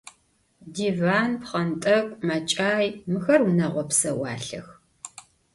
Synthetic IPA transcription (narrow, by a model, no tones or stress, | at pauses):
diːvaːnpχɐntʼɐkʷʼmɐt͡ʃʼaːjmɨxɐrunɐʁʷɔpsɐwɑ̰ːɬɐ̰x